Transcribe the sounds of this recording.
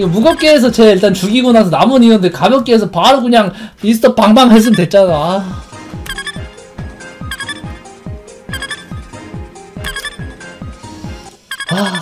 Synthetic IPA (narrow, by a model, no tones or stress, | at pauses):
ɡmuɡʌp̚k͈e̞ːs̬ʰʌt͡ɕe̞iɭt͈ant͡ɕuɡiɡonasʰʌnamʌniondekabjʌk̚k͈eːsʰʌpaɾokɯɲaŋis̬ʰɯ̥t͈ʌp͈aŋbaŋɦes̬ʰɯmdwe̞t̚t͡ɕ͈ana | a